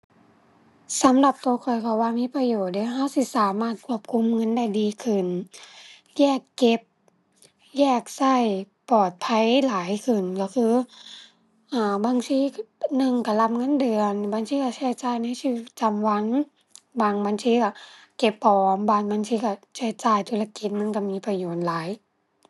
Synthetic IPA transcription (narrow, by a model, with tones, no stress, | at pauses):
sa˨˦mla˧˩p̚t̪u˧kʰɔ˨˩jkʰa˧˩waː˧miː˧˥˨pa˧joː˨˩t̪̚deː˧˦a˧ɦa˧˥˨wsi˧˩˨saː˨˦maː˧˩t̪̚kʰu˧˥˩əp̚kʰu˧˥˨mŋɤ˧˥˨nda˧˩jdiː˧kʰɯ˧˩n | jɛː˧˩kːe˧p̚ | jɛː˧˩k̚sa˧˥˩j | pɔː˨˩t̪̚pʰa˧˥˨jlaː˨˦jkʰɯ˧˩nkɔ˧˩kʰɯː˧ | ʔaː˧˩baː˧˥ŋtsʰiː˧˥nɯ˧˩ŋka˧˩la˧p̚ŋɤ˧˥˨ndɤː˧˩ənbaː˧ŋsʰiː˧ka˧˩sa˧˩˨t͡ɕaː˧˩jna˧˥˨jsi˧i˧˩t̪̚t͡ɕa˧˨mwa˧˥ŋ | wa˧˩ŋbaː˧˥nsʰiː˧˦ka˧˩ | ke˧˩pːɔː˨˩mbaː˧˩nbaː˧˥ŋsʰiː˧˩ka˧˩sa˧˩˨t͡ɕaː˧˩jt̪ʰuː˧˥la˧ki˧˦t̪̚ma˧˥˨nka˧˩miː˧˥˨pʰa˧joː˨˩t̪̚laː˨˦j